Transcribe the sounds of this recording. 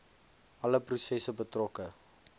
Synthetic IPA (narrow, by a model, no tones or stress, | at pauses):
ɐləprusɛsəbətrɔkə